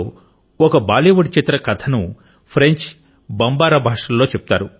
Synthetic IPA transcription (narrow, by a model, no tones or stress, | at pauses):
ɔkɐbaːliːʋɐɽit͡ʃit̪ɾɐkɐt̪ʰɐnu | pʰɾeɲt͡ʃ | bɐmbaːɾɐbʱaːʂɐlːo̞ːt͡ʃeput̪aːɾu